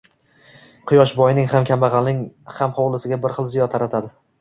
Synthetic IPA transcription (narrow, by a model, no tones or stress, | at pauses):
qʰʊjɒʃbɒjɪnɪŋhamkʲʰambɑʁɑlnɪŋhamχowlˠɪsɪɡʲabɪɾχɨlˠzɪjɒt̪ʰːaɾat̪ʰad̪ɪ